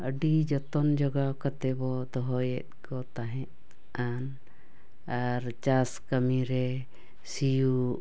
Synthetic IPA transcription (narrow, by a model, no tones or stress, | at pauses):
əɖid͡ʒɔt̪ɔnd͡ʒɔɡakat̪ɛbɔd̪ɔɦɔjɛt̪̚kʰɔt̪aɦɛ̃t̪ | an | aɾt͡ʃaskəmiɾɛ | siju